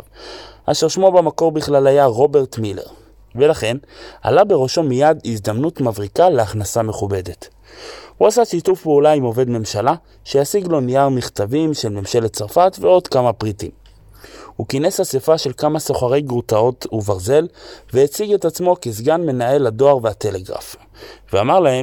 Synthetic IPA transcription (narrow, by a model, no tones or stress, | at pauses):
ʔaʃeʁʃmo̞bamako̞ʁbiχlalajaʁo̞be̞ʁtmile̞̰ʁ | velaχe̞na̰labe̞ʁoʃo̞mijadizd̪amnutmavʁikaleaχnasame̞χube̞de̞t | huasaʃitufpeulaimo̞ve̞dme̞mʃala | ʃe̞jasiɡlo̞nijaʁmiχtavimʃe̞lme̞mʃe̞lett͡saʁfatveo̞dkamapʁitim | hukineshasefaʃe̞lkamaso̞χaʁe̞jɡʁutao̞tuvaʁze̞lvehet͡siɡe̞tat͡smo̞kezɡanme̞nae̞lado̞aʁvehate̞le̞ɡʁa̰f | veamaʁlahem